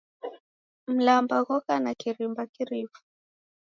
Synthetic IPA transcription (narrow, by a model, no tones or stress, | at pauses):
m̩lambaɣɔkanakiɾimbakiɾifu̥